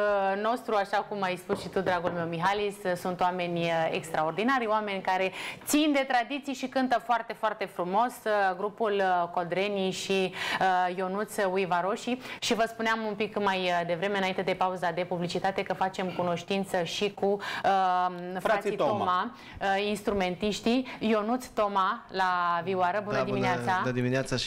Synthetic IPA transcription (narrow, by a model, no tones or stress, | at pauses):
no̞st̪ɾuaʃakumajspusʃit̪ud̪ɾaɡulme̞wmiɦalissunt̪oame̞nʲḛkst̪ɾao̞rd̪inaɾʲoame̞nʲkaɾe̞t̪sind̪e̞t̪ɾad̪it̪sijʃikɨnt̪əfoart̪e̞foart̪e̞fɾumo̞sɡɾupulko̞d̪ɾe̞niʃiəjo̞nut̪suivaɾo̞ʃiʃivəspuneamumpikmajd̪e̞vɾe̞me̞ɨnaint̪e̞d̪e̞pauzad̪e̞publit͡ʃit̪at̪e̞kəfat͡ʃe̞mkuno̞ʃt̪int̪səʃikuəfait̪oma | əinst̪ɾume̞nt̪iʃt̪ijo̞nut̪st̪omalaviwaɾəbunəimmineasand̪imineat̪sa